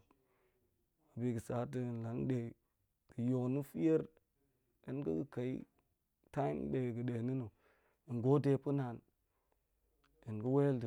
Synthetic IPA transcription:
a˨bi˨ɡə˨sa˨˦t̬ə˦˨n˨la˨˦ŋɗe˨ | də˨jo˨knu˦fi˦je˦ɾ | ḭ˦nkə̰˦ɡə˦ka˨ḭ˦ | ta˦i˦mɗe˨ɡə˨ɗe˨ni˦nu˨ | i˨ŋɡo˦te˦pu˦na˨n | i˨nɡə˦we˦ldə˨

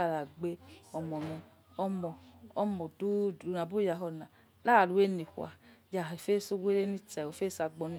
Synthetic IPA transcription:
a˨ɾa˨ɡ͡be˦ɔ˨mɔ˨nɔ˨ | ɔ˦mɔ˨ɔ˦mɔ˨du˦du˨na˨bu˦ja˨ɦɔ˨na˨ | la˦˨lu˨we˦ni˨hʷa̰˨ja˨e˨fe˦˨so˦we˦le˦ni˦t͡sɛ˨o˨fe˦sa˧ɡ͡bɔ˧ni˦

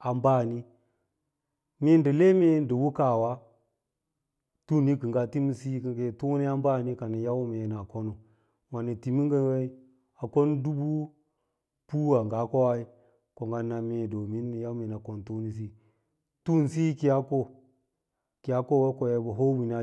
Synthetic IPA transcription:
a˨mba˦˨ni˦ | me˦n˦də˨le˦me˦ndə˨wu˦ka˨wa˦ | tu˦˨ni˦kə˨ŋɡa˦ti˦mi˦si˦kə˨ɡe˦˨tu˦ni˦a˦mba˦˨ni˦ka˨ni˨ja˦wme˨n˨a˨ko˦no˨ | ma˨ni˨ti˨mi˦ŋɡə˦n˦we˦i˦ | a˨ko˦n˦du˦bu˦ | pu˦wa˨ŋɡa˨˦ko˦wa˦i˦ | ko˨ŋɡa˦nːa˨me˦˨do˨mi˦n˦ja˦wme˨na˨ko˨n˨tu˦ni˦s̬i˦ | tu˦˨n˨si˦ki˦a˦ko˦ | ki˨ja˦ko˦˨we˦ko˨je˦bə˨ɦo˦wi˨na˨

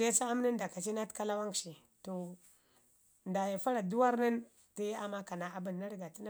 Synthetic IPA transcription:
e˦sa˦a˦m˦nə˦n˦da˨ka˨t͡ʃi˦na˦tka˦la˦wa˦ŋkʃi˨ | to˨ | nda˨ja˨fa˦ɾa˨du˦wa˦ɾnə˦n | tə˦ja˦ma˦ka˨na˨a˨bə˨nː˨a˦ɾɡa˨ti˦na˦

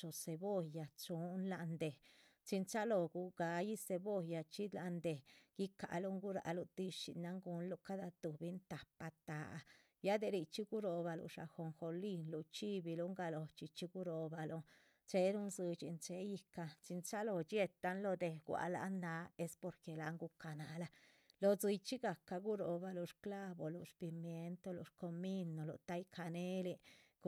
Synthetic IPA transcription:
o˨se˨bo˦˧ja˨t͡ʃu˦nla˧nd̪e˨ | t͡ʃi˧nt͡ʃa˦lo˨ɡu˧ɡa˧ji˦se˧bo˦˧ja˧t͡ʃi˦d̪la˧nd̪e˨ɡ̥i˦ka̰˨lu˦ŋɡu˦ɾa̰˨˧lu˧t̪i˧ʃḭ˧na˧ŋɡu˧nlu˧ka˦d̪a˧t̪u˨bi˦nt̪a˨pa˧t̪a˨˧ | ja˦d̪e˧ɾi˧t͡ʃi˦ɡu˦ɾo˧ba˧lṵ˧˨ʂa̰˨xo˨ŋxo˧li˧nlu˧t͡ʃi˦bi˧lu˧˦ŋɡa˧lo˨t͡ʃi˧t͡ʃi˦ɡu˦ɾo˨ba˧lo˧ | t͡ʃe˧˦ɾu˦nzɨ˧t͡ʃi˧nt͡ʃe˧ji˧ka˧t͡ʃi˧nt͡ʃa˦lo˧t͡ʃje˧t̪ːa˧nlo˧d̪e˧ɡʷa̰˧˨la̰˧nd̪a˧˦e˦spo˧ɾke˨la˨ŋɡu˧ka˨na˨la˧ | lo˧t͡sɨ˧jt͡ʃi˦ɡa˨ka˧ɡu˦ɾo˨ba˧lo˧ʂkla˦bo˨lṵ˨ʂpi˧mje˧nt̪o˧lṵ˨ʃko˧mi˦nːo˨lṵ˨t̪a˦jkʰa˧ne˦li˧˦

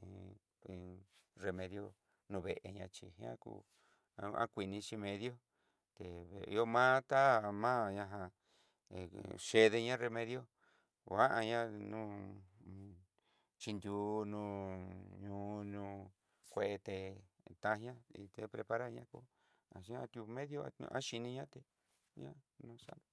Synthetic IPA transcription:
re˧mẽ˧ðjo˧ | nũ˧βe˨ʔe˧ɲã˧t͡ʃḭ˧ɦã̰˦kṵ˧ | ã̰˦kʷi˧nĩ˧t͡ʃi˧mẽ˧ðjo˦ | t̪e˨βḭ˧o˦mã˦t̪a˦mã˦ɲã˧ɦã˧˨ | ʃe˧ðe˧ɲã˦re˧mẽ˧ðjo˦ | wa˦ʔa˧ɲã˦nũ˦ | t͡ʃi˧nd̪ʲu˧nũː˧ɲũː˧nũː˧ | kʷe˧ʔe˧t̪e˧ | t̪ã˧ɲã˦i˧t̪e˧pɾe˧pa˧ɾa˦ɲã˦ko̰˦ | ã̰˨ʃa˧t̪u˧mẽ˦ðjo˦˧a̰˦ʃi˧nĩ˧ɲã˦t̪e˧˨ | ɲã̰˦nũ˧˦sa̰˦o˨

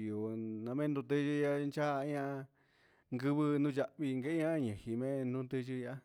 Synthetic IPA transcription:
o˨nã˧mẽ˦nd̪ũ˧t̪ɨ˧ʒɨ˧ja˧nt͡ʃa˦˧˦ɲã˧ | ŋɡɨ˧βɨ˧nũ˦˧t͡ʃa˧ʔβi˧ŋɡe˧˦ɲã˦˧ɲẽ˨hi˧mẽ˦˧nũ˦t̪ɨ˧ʒɨ˧a˦

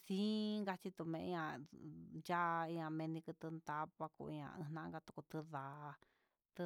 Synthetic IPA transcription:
sĩ˦ŋɡa˧t͡ʃi˧t̪u˧mẽ˧ã˧ | ja˦ʔĩ˧ã˧˨mẽ˧nĩ˧kɨ˧t̪ɨ˧nd̪a˧˦βa˧kṵ˧ḭ˧ã̰˧˨ʔɨ̰̃˧nã˧˦˧ɡa˧t̪u̥˧ku˧t̪ɨ˧ða˨˧ | t̪ɨ˧

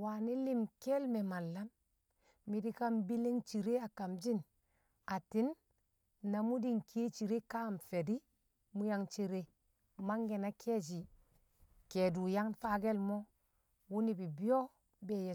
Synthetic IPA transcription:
wa˨ni˦li˦mke˦lme˨ma˨lːa˦mː | i˨di˦ka˦mbi˦le˦ŋt͡ʃi˨ɾe˦a˨ka˨md͡ʒi˦n | a˨ti˦nː | a˨mu˦di˦˨ŋke˦t͡ʃi˨ɾe˦ka˦mfe˨di˦ | mu˦ja˦ŋt͡ʃi˦ɾe˦ | ma˦ŋɡe˨na˦kʰe˦d͡ʒ̬i˨ | ke˨du˨ja˦ŋfa˦ɡe˦lmo˦ | wu˦ni˨bi˨bi˦o˦ | be˦˨je˨

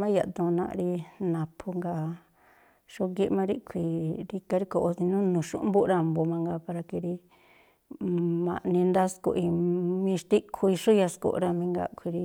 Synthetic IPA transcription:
mã˦ja˨ʔt̪ũ˧nã̰˧ʔɾi˧nã˨pʰu˧ŋɡa˧ | ʃo˧ɡi˦ʔmã˧ɾi˦kʷʰi˨ɾi˧ka˧ɾi˦ko˧ʔo˧t̪i˧nũ˦nũ˨ʃṵ˦ʔmbu˦˧ɾa˦˧˨mbo˧mã˧ŋɡa˧pa˧ɾa˧ki˧ɾi˧ | mã̰˨ʔnĩ˧nd̪a˦skṵ˧ʔi˧mĩ˧ʃt̪i˦kʰu˧i˧ʂu˦ja˧sko̰˧˨ʔɾa˧mĩ˧ŋɡa̰˧kʰʷi˧ɾi˧

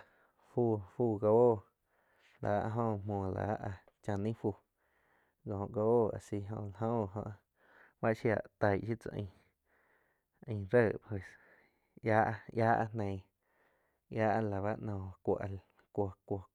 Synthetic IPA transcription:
fu˧˨fuː˧˨ɡa˧oː˦˨ | la̰˨˦ʔɦõ˧mõː˧˨la̰˨˦ʔa˧ | t͡ʃã˧nĩ˦fu˧˨ | ɡɔ̃˨ʔɡa˧o˦˨a̰˨si˧ɦõ̰˧la˧ɦõ˦˧ɦõ̰˧ʔ | ba˦ʔʃja˧˨ʔt̪a˧jʃi˦t͡sa̰˧ʔḭ̃˧˨ | ʔĩ˧˨ɾə˦˨pwe˨s | ja˦ʔjaː˦ʔa̰˧nẽ˧˨ | jaː˦ʔa˧la˨βa˦ʔnɔ̃˧˨˧kʷo̰˨ʔa˨l | kʷo˧˨kʷo˧˨

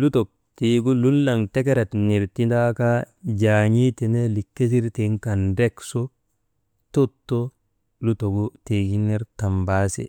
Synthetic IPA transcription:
lu˦to˨k̚ | ti˨ɡu˦lu˦lːa˨ŋte˦ke˦ɾe˨tni˨ɾti˦da˦ka˦ | d͡ʒaː˨ɲi˦te˨ne˦li˨kːe˦s̬i˦ɾte˨ŋka˨nde˦kso˦ | to˦tːo˦ | lu˦to˨ɡu˦te˨ɡi˦ne˦ɾta˨mba˦sḛ˨

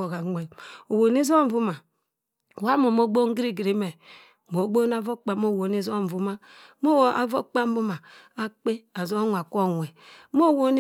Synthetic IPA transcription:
o˨ɣa˨ŋʷe˨o˨wo˨ni˦zo˦m̩˦˨vu˦ma˨ | wa˦mo˨mo˦ɡ͡bo˦ŋ˦ɡɾi˦ɡi˨ɾi˨me˨ | mo˨˦ɡ͡bo˦n˦a˦vo˦k͡pa˨mo˦˨wo˨ni˦zo˦m˨vu˨ma˦ | mo˦˨a̰˨vo˦k͡pa˦m˦bu˦ma˨ | a˦k͡pe˦a˨zo˦ŋʷ˨a˨kʷo˦ŋʷ˨e˨˦mo˦˨wo˦n˦

